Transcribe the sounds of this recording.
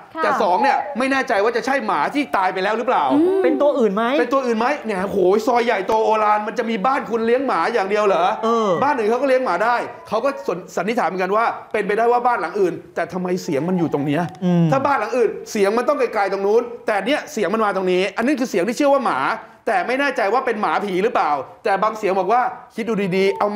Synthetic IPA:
t̪ɛː˨˩sɔː˩˦ŋni˥˩ɐma˥˩jnɛː˥˩t͡ɕa˧jwaː˥˩t͡ɕa˨˩t͡ɕʰa˥˩jmaː˩˦t̪ʰiː˥˩t̪aː˧jpa˧jlɛː˦˥wɾɯ˦˥plaː˨˩wpe˧nt̪u˧ɐʔɯː˨˩nma˦˥jpe˧nt̪u˧ɐʔɯː˨˩nma˦˥jnɛ˩o˧hoː˨˩˦sɔː˧jːa˨˩jt̪o˧ʔoː˧laː˧nma˧nt͡ɕa˨˩miː˧baː˥˩nkʰu˧nli˦˥əŋmaː˩˦jaː˨˩ŋdi˧əwlɤː˩˦ɤː˧baː˥˩nːɯ˨˩kʰa˦˥wkɔː˥˩li˦əŋmaː˩˦daː˥˩jkʰa˦˥wkɔː˥˩snsa˨˦nt̪ʰi˦˥t̪ʰaː˩˦m˩˦˥ka˧nwaː˥˩pe˧np̬a˧jdaː˥˩jwaː˥˩baː˥˩nla˨˩˦ŋʔɯː˨˩nt̪ɛː˨˩t̪ʰa˧mːa˧jsi˨˩˦əŋma˧njuː˨˩t̪o˧ŋni˦˥ɐ˧t̪ʰaː˥˩baː˥˩nla˨˩˦ŋʔɯː˨˩nsi˨˩˦əŋma˧nt̪ɔ˥˩ŋka˧jklaː˧jt̪o˧ŋnuː˦˥nt̪ɛː˨˩ʔa˨nːi˦˥ɐsi˨˦ŋma˧nmaː˧t̪o˧ŋniː˦˥ʔa˧nːiː˦˥˩kʰɯː˧si˨˦ŋt̪iː˥˩t͡ɕʰɯ˥˩əwaː˥˩maː˩˦ | t̪ɛː˨˩ma˥˩jnɛː˥˩t͡ɕa˧jwaː˥˩pe˧nmaː˩˦pʰiː˩˦ɾɯː˦˥plaː˨˩wt̪ɛː˨˩baː˧ŋsi˨˩˦ŋbɔː˨˩k̚waː˥˩kʰi˦˥t̪̚duː˧diː˧diː˧ʔa˧w

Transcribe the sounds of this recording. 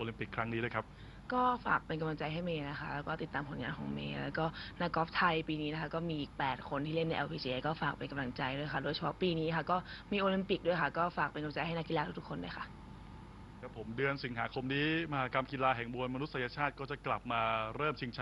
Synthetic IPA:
ʔoː˧li˧˦mpi˨˩kʰːɾa˦˥ŋniː˦du˥˩jkʰa˦˥p̚ | kɔː˥˩faː˨˩k̚pe˧nka˧mla˧ŋt͡ɕa˧jɦa˥˩jmeː˧na˦˥xʰa˦˥ʔlɛː˦˥wkɔː˥˩t̪i˨˩t̪ːaː˧mpʰo˩˦nŋa̰ː˧nkʰɔ̰ː˩˦ŋmḛː˧lɛː˦˥wkɔː˥˩na˦˥kɔː˦˥p̚t̪ʰa˧jpiː˧niː˦˥na˦˥kʰa˦˥kɔː˥˩miː˧ʔiː˨˩k̚pɛː˨˩t̪̚kʰo˧nt̪ʰiː˥˩le˥˩na˧jʔɛ̰˧wpʰiː˧t͡ɕi˧ʔe˧kɔː˥˩faː˨˩k̚pe˧nka˧mla˧ŋt͡ɕa˧jdu˥˩əjkʰa˥˩doː˧jt͡ɕʰa˧pʰɔ˦˥piː˧niː˦˥kʰa˦˥˩kɔː˥˩miː˧ʔoː˧li˦˧mpi˨˩k̚du˥˩əjkʰa˥˩kɔː˥˩faː˨˩k̚pe˧nka˧ŋt͡ɕa˧jɦa˥˩jna˦˥kːi˧laː˧t̪ʰːt̪u˦˥kʰːo˧ndaː˥˩jkʰa˥˩ʔ | ɛ˦˥pʰːo˩˦mdɯ˧ənsi˨˩˦ŋɦaː˩˦kʰo˧mniː˦˥ma˧ɦaː˨˦˥ka˧mki˧laː˧ɦɛ˨˩ŋbu˧ənma˧nu˦˥t̪̚sjaː˧t͡ɕʰaː˥˩t̪̚kɔː˥˩t͡ɕa˨˩kla˨˩p̚maː˧ɾɤː˥˩mt͡ɕʰi˧ŋt͡ɕʰa˦

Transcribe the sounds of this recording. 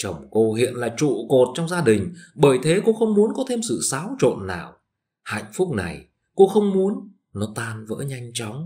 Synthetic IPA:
t͡ɕə˨˩wŋ͡mko˧hḭ˧˨ənlaː˨˩t͡ɕṵ˧˨ko˨˩t̚t͡ɕɔ˧wŋ͡mzaː˧ɗï˨˩ŋ̟ɓəː˧˩jt̪ʰe˨˦ko˧xə˧wŋ͡mmu˨˦ənkɔ˨˦t̪ʰe˧msɨ̰˧˨saː˨˦wt͡ɕo̰˧˨nːaː˨˩w | ha̰˧˨jŋ̟fʊ˦˥k͡p̚na˨˩j | ko˧xə˧wŋ͡mmu˨˦ən | nɔ˨˦t̪aː˧nvə̰ː˧˥ɲa˧jŋ̟t͡ɕɔ˨˦wŋ͡m

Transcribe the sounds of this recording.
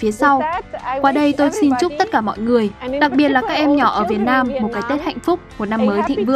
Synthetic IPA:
fi˨˦əsa˧wkwaː˨˧˩ɗə˧jt̪o˧jsi˧nt͡ɕʊ˦˥k͡p̚t̪ə˦˥t̚kaː˧˩mɔ̰˧˨jŋɨ˨˩əjɗa˨˩k̚ɓi˨˩ət̚laː˨˩kaː˦˥k̚ʔɛ˧mɲɔ˧˩ʔəː˧˩vi˨˩ət̚naː˧mːo˨˩t̚kaː˨˦jt̪e˦˥t̚ha̰˧˨jŋ̟fʊ˦˥k͡p̚mo˨˩t̚na˧mːəː˨˦jt̪ʰḭ˧˨ŋ̟vɨ̰˧˨əŋ

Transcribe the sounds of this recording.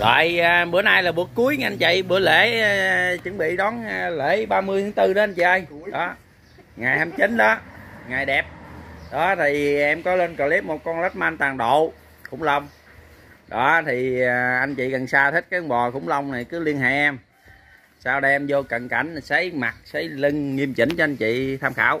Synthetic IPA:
ɣɔ̰ː˧˨jːɓɨ˧˦ənaː˧jlaː˨˩ɓu˨˩ət̚ku˨˦əjʔa˧nt͡ɕḭ˧˨ɓɨ˨˧˦əle˧˩˦ | t͡ɕɨ˨˦ŋɓḭ˧˨ɗɔ˨˦n˧le˧˥˦ɓaː˧mɨ˧əjt̪ɨ˨˦ŋt̪ɨ˧ɗɔ˨˦ʔa˧nt͡ɕḭ˧˨ʔə˧jɗɔ˨˦ | ŋa˨˩jhaː˧mt͡ɕi˨˦n̟ɗɔ˨˦ŋaː˨˩jɗɛ˨˩p̚ɗɔ˨˦t̪ʰi˨˩ʔɛ˧mkɔ˨˦le˧nkɔ˨˩li˦˥p̚mo˨˩t̚kɔ˧nlə˦˥t̚maː˧nt̪aː˨˩ŋɗo̰˧˨ | xʊ̰˧˥ŋ͡mlə˧wŋ͡m | ɗɔ˨˦t̪ʰi˨˩ʔa˧jŋ̟t͡ɕḭ˧˨ə˨˩nsaː˧t̪ʰi˦˥t̚kaː˦˧ŋɓɔ˨˩xʊ̰˧˥ŋ͡mlə˧wŋ͡mna˨˩jkɨ˨˦li˧ənha̰˧˩ɛ˧m | saː˧wɗmzo˧kə˨˩nka̰˧˩jŋ̟sə˨˦jma˨˩k̚sə˨˦jli˧ŋŋi˧əmt͡ɕḭ˧˩˦n̟t͡ɕɔ˧ʔa˧jn̟t͡ɕḭ˧˨t̪ʰaː˧mxa̰ː˧˩w

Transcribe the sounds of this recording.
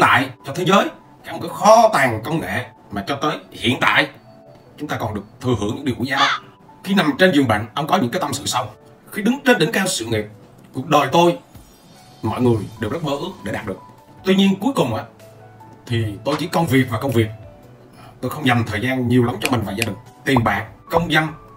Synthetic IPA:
t̪a̰ː˧˨jt͡ɕɔ˧t̪ʰe˨˦zəː˨˦j | a˧˦˥kə˧ŋ͡mkəː˨˦xɔ˨˦t̪aː˨˩ŋkə˧wŋ͡mŋḛ˧˨ | maː˨˩t͡ɕɔ˧t̪əː˨˦jhḭ˧˨ənt̪a̰ː˧˨j | t͡ɕʊ˨˦ŋ͡mt̪aː˧kɔ˨˩nɨ˨˩ək̚t̪ʰɨ˨˩hɨ̰˧˥əŋɲɨ̰˧˥ŋɗi˨˩wṵ˧˦k̚zaː˧˦w | xi˧na˨˩mt͡ɕe˧nzɨ˨˩əŋɓa̰ː˧˨nʔə˧wŋ͡mkɔ˨˦ɲɨ̰˧˥ŋkaː˨˦jt̪ə˧msɨ̰˧˨sa˧w | xi˧ɗɨ˨˦ŋt͡ɕe˧nɗe˧˦ŋkaː˧wsɨ̰˧˨ŋḭ˨˩p̚ | ku˨˩ək̚ɗo˨˩jt̪o˧j | mɔ̰˧˨jŋɨ˨˩əjɗe˨˩wzt̚məː˧˦ʔɨ˦˥ək̚ɗe˧˩ɗaː˨˩t̚ɗɨ˨˩ək̚ | t̪wi˧ɲi˧ənku˨˦əjkʊ˨˩ŋ͡mʔaː˧˨˦ | t̪ʰi˨˩t̪o˧jt͡ɕḭ˧˥kə˧wŋ͡mvi˨˩ək̚vaː˨˩kə˧wŋ͡mvi˨˩ək̚ː | t̪o˧jxə˧wŋ͡mɲə˨˩mt̪ʰəː˨˩jzaː˧nɲi˨˩əwla˨˦mt͡ɕɔ˧mi˨˩ŋ̟vaː˨˩zaː˧ɗï˨˩ŋ̟t̪i˨˩mɓa̰ː˨˩ŋ̚kə˧wŋ͡mzə˧n

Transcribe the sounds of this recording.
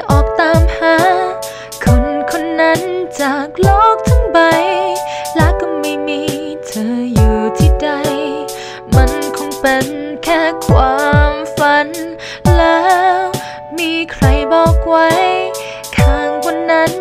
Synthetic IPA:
ʔɔː˨˩k̚t̪aː˧mpʰaː˧˥ | kʰo˧˩nkʰo˧nːa˦˥nt͡ɕaː˨˩k̚lɔː˥˩k̚t̪ʰa˧˥ŋba˨˧jlɛː˦˥kɔ˧˩ma˧˩jmiː˧˥ | t̪ʰɤː˨˧˦juː˨˩t̪ʰiː˧˩da˧j | ma˧˥nkʰo˧˥ŋpe˨nkʰɛː˧˩kʰwaː˧˦mfa˧n | lɛː˦˥ | miː˧˥kʰɾa˧˥jbɔː˨˩k̚wa˧˥j | t̪ʰaː˧˩ŋkʰɔ˧nːa˦˥n

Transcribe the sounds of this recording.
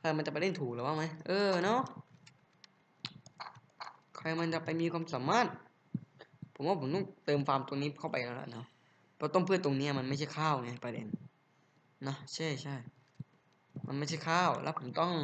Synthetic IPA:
kʰaː˧˩ma˧nt͡ɕa˨˩pa˧de˧˥˩nt̪ʰuː˨˩k̚lːwaː˥˩ma˦˥jʔɤː˧nɔ˦˥ | kʰa˧jma˧nt͡ɕa˨˩pa˧jmiː˧kwaː˧msaː˩˦maː˥˩t̪̚ | pʰo˩˦mwaː˧˥˩pʰt̪ɔ˥˩ŋt̪ɤː˧mfaː˧mt̪o˧ŋniː˦˥kʰa˥˩wpa˧jlɛː˦˥wla̰˧˩nɔ˦˥ | pʰɔː˧˥˩t̪o˥˩˨pʰɯ˥˩˨t̪o˧ŋniː˦˥a˨˩ma˧nma˥˩jt͡ɕʰa˥˩jkʰaː˥˩wŋa˧˩˨pa˧dḛ˧n | nɔ˦˥t͡ɕʰa˥˩jt͡ɕʰa˥˩j | ma˧nma˥˩jt͡ɕʰa˥˩jkʰaː˥˩wlɛ̰ː˦˥pʰo˩˦mt̪ɔ˥˩ŋ

